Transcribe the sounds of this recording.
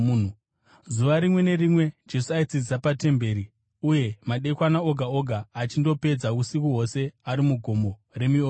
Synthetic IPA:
zuʋaɾimwe̞ne̞rimwe̞d͡ʒe̞suait͡sid͡zisapate̞mbe̞ːɾi | uje̞maɗe̞kwanaoɡʱaoɡʱaːt͡ʃindo̞pe̞d͡zakusikuɦo̞se̞aɾimuɡʱo̞mbo̞re̞mio

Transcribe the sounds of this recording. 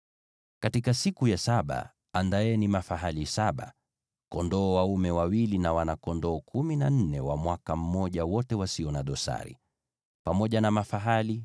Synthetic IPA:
katikasikujasaɓa̰ | andaɛnimafaɦalisaɓa̰ | kɔndɔːwaumɛwawilinawanakɔndɔːkʰuminan̩nɛwa̰mwakam̩mɔʄawɔtɛwasiɔnaɗɔsa̰ɾḭ | pamɔʄanamafaɦali

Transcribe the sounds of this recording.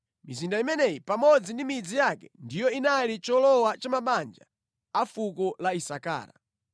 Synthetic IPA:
mizindaimɛnɛjipamɔd͡zindimid͡zijakɛ̥ndijɔinalit͡ʃɔlɔwat͡ʃamaɓand͡ʒa̰ | afukɔlaisaka̰ːɾa̰

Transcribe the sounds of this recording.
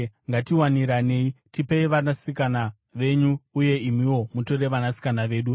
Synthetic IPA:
ŋɡatiwaniɾane̞itipeiʋanasikana | ʋe̞ɲuːje̞imiwo̞muto̞ɾe̞ʋanasi̥kanaʋe̞ːɗu

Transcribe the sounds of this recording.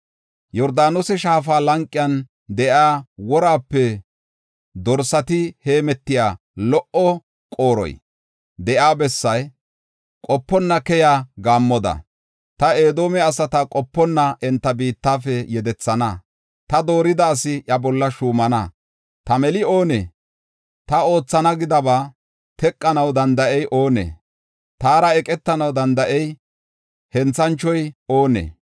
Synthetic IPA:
jɔɾd̪aːnʊsɛʃaːfaːlɐŋkʼːɪjɐn | d̪ɛʔaːwɔɾaːpːɛ | d̪ɔɾsɐt̪ɪhe̞ːmɛt̪ːɪjaː | lɔʔɔ | kʼoːɾɔ̰j | d̪ɛʔaːbɛsːɐj | kʼɔpːɔnːɐkɛjaːɡaːmːɔd̪ɐ̰ | t̪ɐeːd̪oːmɛɐsɐt̪ɐkʼɔpːɔnːɐʔɛnt̪ːɐbiːt̪ːaːfɛjɛd̪ɛt͡sːɐnɐ | t̪ɐd̪o̞ːɾɪd̪ɐːsɪʔɐbɔlːɐʃuːmɐnɐ | t̪ɐmɛlɪo̞ːnḛː | t̪ɐo̞ːt͡sːɐnɐɡɪd̪ɐbaː | t̪ɛkʼːɐnɐwd̪ɐnd̪ɐʔɛjʔo̞ːnḛː | t̪aːɾɐɛkʼɛt̪ːɐnɐwd̪ɐnd̪ɐʔɛj | hɛnt͡sːɐnt͡ʃːɔjo̞ːnḛː

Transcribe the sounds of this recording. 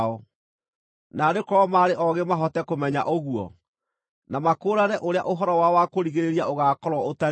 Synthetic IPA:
ɔ | nadekɔɔmaːɾeʔɔɣemaɦɔtɛkomɛɲa̰ʔɔɣuɔ̰ | namakoːɾanɛʔoɾea̰ʔoɦɔɾɔwawakoɾiɣeɾeɾiaʔoɣaːkɔɾwɔota

